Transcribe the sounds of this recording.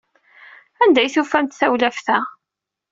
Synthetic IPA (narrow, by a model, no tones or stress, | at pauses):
ænd̪æjθufænt̪θæwlæfθæ